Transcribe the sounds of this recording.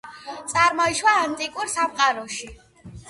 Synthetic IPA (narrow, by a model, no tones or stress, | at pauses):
t̪sʼaɾmɔiʃwaːnt̪ʼikʼuɾsamqʼaɾɔʃi